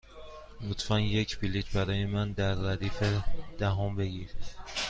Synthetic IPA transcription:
mut̪ʰfænjecʰbilit͡ʃbæɾɒːjemænd̪æɾːæd̪iːfed̪̥æɦombe̞ɡiɾ

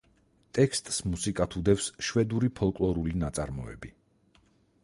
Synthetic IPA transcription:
t̪ʼɛkst̪ʼsmusikʼat̪ʰud̪ɛfsʃwɛd̪uɾipʰɔlˠkʼlˠɔɾulinat̪sʼa̰ɾmɔɛ̰bi

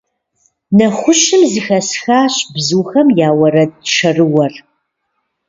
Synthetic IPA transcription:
nɐχʷʊʃɨmzɨxɐsxaːɕbzuːxɐmjaːwɐɾɐdʈ͡ʂʰɐrɨwɐr

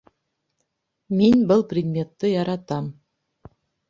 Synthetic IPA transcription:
mʲenʲbɘ̆lˠprʲɪd̪mʲet̪ːɤjɑɾɑt̪ɑm

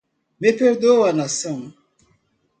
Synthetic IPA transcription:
mepeɾdowanasa

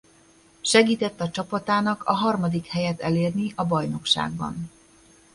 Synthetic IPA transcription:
ʃɛɡiːt̪ɛt̪ːɒt͡ʃɒpɒt̪aːnɒkʰɒɦɒrmɒd̪ikhɛjɛt̪ɛleːrniʔɒbɒjno̞kʃa̰ːɡ̚bɒ̰n

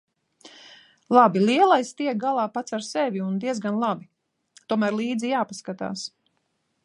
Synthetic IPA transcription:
lˠabilˠiɛlˠajst̪iɛk̚ɡalˠaːpat̪saɾsɛvʲiund̪iɛzɡanlˠabi | t̪uɔmæːɾlˠiːd̪zijaːpaskat̪a̰ːs

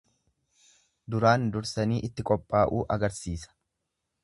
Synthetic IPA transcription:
d̪ʊɾaːnd̪ʊɾsɐniːʔɪt̪ːɪkʼɔpʼːaːʔuːʔɐɡɐɾsiːsɐ̥

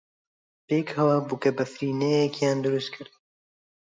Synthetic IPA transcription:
peːkhɛwaːbukɐbɐfɾiːnɛjɛkjaːnd̪ʊɾust̪̚kʰɨɾd̪

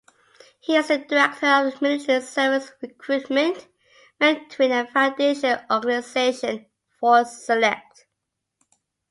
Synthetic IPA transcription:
hiɪzədəɹɛk̚tʰə˞əvəmɪlɪtəəsɜvɪsɹɪkʰɹutmə̃nt | mɛ̃tʰwĩnəfãʊndeɪʃəlɔɡənɪz̥eɪʃə̃n | fɔsəlɛk̚t

